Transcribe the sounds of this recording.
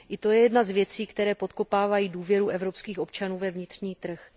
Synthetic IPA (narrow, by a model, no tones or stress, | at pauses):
ʔɪt̪o̞jɛjɛdnazvjɛt͡siːkt̪ɛɾɛːpo̞t̪ko̞paːvajiːduːvjɛɾuʔɛvɾo̞pskiːxʔo̞pt͡ʃanuːvɛvɲɪt̪r̝̥ɲiːt̪r̩x